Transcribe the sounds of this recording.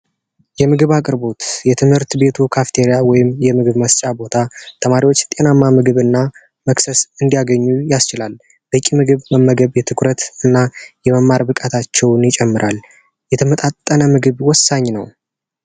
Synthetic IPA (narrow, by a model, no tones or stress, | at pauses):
jɛmɨɡɨβakʼɨɾbo̞t̪jɛt̪ʰɨmhɨɾt̪be̞t̪ʰukʰaft̪ʰeɾijawɔjɪmjɛmɨɡɨβməst͡ʃʼabo̞t̪ʰat̪ʰəmaɾiwot͡ʃːt̪ʼe̞namːamɨɡɨβɨnːa | məksəsɨnd̪ijaɡəɲːujast͡ʃɪlal | bəkʼːimɨɡɨβməmːəɡəβjɛt̪ʰɨkʰɾət̪ɨnːajɛməmːaɾbɨkʼat̪ʰat͡ʃːɛwnjɪt͡ʃʼɛmːɨɾʔal | jɛt̪ʰəmət̪ʼat̪ʼːənəmɨɡɨβwɔsːaɲːnə̰w